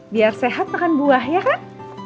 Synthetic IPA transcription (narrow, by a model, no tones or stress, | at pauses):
biarseɦat̪̚nakanbuahjakan